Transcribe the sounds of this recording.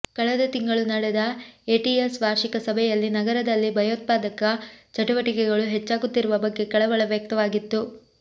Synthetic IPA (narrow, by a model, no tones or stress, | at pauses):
kɐɭɛd̪ɐt̪iŋɡɐɭunɐɽɛd̪ɐeːʈiesʋaːɾʃikɐsɐbʱɛjɐlːinɐɡɐɾɐd̪ɐlːibʱɐjoːt̪̚paːd̪ɐkːɐt͡ʃɐʈuʋɐʈikɛɡɐɭuɦɛt͡ʃːaːɡut̪ːiɾuʋɐbɐɡːe̞kɐɭɐʋɐɭɐʋjɐk̚t̪ɐʋaːɡit̪ːu